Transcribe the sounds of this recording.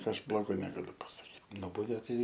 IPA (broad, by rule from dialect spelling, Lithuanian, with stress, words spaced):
ˈɐʃ ˈblˠoːɡoː nʲɛɡɐˈlʲʊ pɐsɐˈkʲiːt ˈnʊbɐʊdʲeː ˈtɐɪ